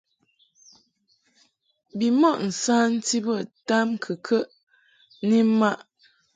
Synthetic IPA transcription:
bi˨mɔ˦˨ʔn̩˨saː˦n̩˦ti˦bə˦˨ta˦mkʰə˨kʰə˦ʔ | ni˦m˦ma˦ʔ

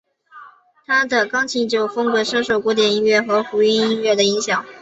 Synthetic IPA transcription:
t̪ʰa˥d̪ə˨kɑ˥ŋt͡ɕʰi˧˥t͡ɕjo˥˩ʊfɤ˥ŋkɤ˧˥ʂɤ˥ŋʂo˨˩ʊkwɔ˧˥t̪̬jɛ˨˩ni˥nɥɛ˥˩xɤ˧˥fu˧˥i˥ni˥nɥɛ˥˩d̪ə˩i˧˥ŋɕjɑ˨˩˦ŋ

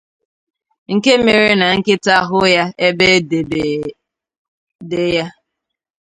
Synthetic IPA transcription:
ŋ̩˨ke˦me˨ɾe˦na˨ŋ̩˦kɪ˦ta˦ɦʊ˦ja˦e˦be˦de˨be˨ | de˦ja˦

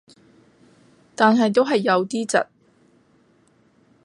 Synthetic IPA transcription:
t̪aː˨nɦɐ˨jt̪o˥wɦɐ˨jːɐ˨˧wt̪iː˥t͡sɐ̰˨t̚

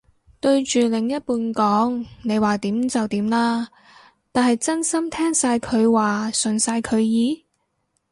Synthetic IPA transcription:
t̪ɵ˧ɥt͡ʃyː˨˩lɪ˨˩ŋjɐ˥t̚puː˧nkɔː˨˥ŋne˨˧jwaː˨˩t̪iː˨˥mt͡sɐ˨wt̪iː˨˥mlaː˥ | t̪aː˨nhɐ˨jt͡sɐ˥nsɐ˥mt̪ʰɛː˥ŋsaː˧jkʰɵ˨˧ɥwaː˨sɵ˨˩nsaː˧jkʰɵ˨˧ɥjiː˨˧˥

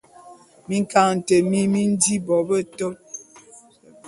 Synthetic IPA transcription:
mi˦ŋ˦ka˦˨ŋn̩˨tə˨mi˦mi˦n̩˦di˦bɔ˨bə˦to˦t̚

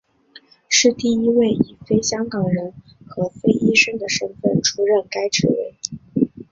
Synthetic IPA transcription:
ʂɻ̩˥˧t̪i˥˩i˥we˥˩ɪi˨˩fe˥ɪɕjɑ˥ŋkɑ˨˩ŋɻə˧˥n | xɤ˧˥fe˥ɪʔi˥ʂə˥ŋd̪ə˨ʂə˥nfə̰˥˩nʈ͡ʂʰu˥ɻə˥˩nka˥ɪʈ͡ʂʰɻ̩˧˥wḛ˧˥ɪ

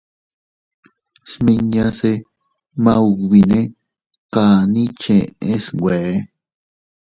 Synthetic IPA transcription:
smĩ˧ɲã˧se˧ | mã˦u˧wi˧nẽ˦ | ka˧˨nĩ˦t͡ʃẽ˨ʔẽ˦sŋɡʷe˨e˦

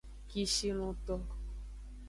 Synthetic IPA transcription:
ki˦ʃi˦l̃ũ˧t̪ɔ˦

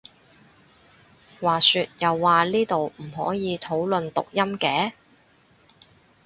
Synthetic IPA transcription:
waː˨syː˧t̚jɐ˨wːaː˨liː˥t̪o˨wm̩˨˩ɦɔ̰ː˨˥jiː˨˧t̪ʰo˨˥wlɵ˨nt̪ʊ̰˨k̚jɐ˥mkɛː˨˥

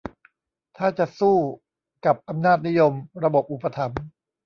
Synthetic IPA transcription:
t̪ʰaː˥˩t͡ɕa˨˩suː˥˩ | ka˨˩p̚ʔa˧mnaː˥˩t̪̚ni˦˥jo˧mɾa˧bo˨˩p̚ʔu˨˩pːa˧t̪ʰa˩˦m

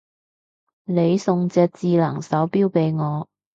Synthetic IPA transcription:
ne˨˧jsʊ˨ŋt͡sɛː˧k̚t͡siː˧lɐ˨˩ŋsɐ˨˥wpiː˥wpe˨˧jŋɔː˨˧

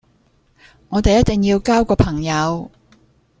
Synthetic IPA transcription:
ŋɔː˨˧t̪e˨jɐ˥t̪̚ɪ˨ŋjiː˧wkaː˥wkɔː˧pʰɐ˨˩ŋjɐ˨˧w

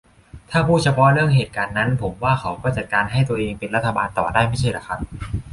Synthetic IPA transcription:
t̪ʰaː˥˩pʰuː˥˩t͡ɕʰa˧pʰɔ˦˥ʔɾɯ˥˩əŋɦeː˨˩t̪̚kaː˧nːa˦˥npʰo˩˦mwaː˥˩kʰa˩˦˥wkɔː˥˩t͡ɕa˨˩kaː˧nɦa˥˩jt̪u˧ɐʔeː˧ŋpe˧nɾa˦˥t̪ʰːa˧baː˧nt̪ɔ̰ː˨˩daː˥˩jma˥˩jt͡ɕʰa˥˩jla̰˨˩kʰa˦˥p̚

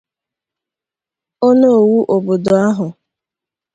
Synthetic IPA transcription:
o˦no˦o˨wu˦ʔo˨bo˨do˨a˦ɦʊ˨

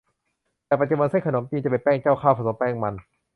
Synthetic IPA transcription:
t̪ɛː˧˩pa˧t͡ɕu˧ba˧nse˧˥˩kʰnoː˩˦mt̪iː˧nt͡ɕa˧˩pe˨˩npɛː˥˩˨ŋt͡ɕaː˥˩wkʰaː˧˩wpʰa˧so˨˩˦mpɛː˥˩ŋma˧n

